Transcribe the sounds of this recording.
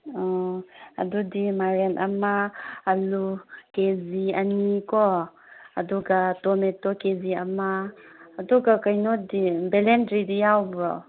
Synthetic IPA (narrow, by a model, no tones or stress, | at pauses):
ɔɐ̰dudimaɾenʔɐmaːlukeziɐnikɔ | ɐduɡatɔmetɔkeziɐmaːdɔɡakajnɔdibelendɾidijawbɾɔ̰